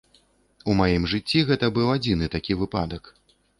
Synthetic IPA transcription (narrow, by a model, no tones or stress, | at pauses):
umajimʐɨt͡sʲːiɣɛt̪ɐbɨwad͡zʲinɨt̪akʲivɨpad̪ɐk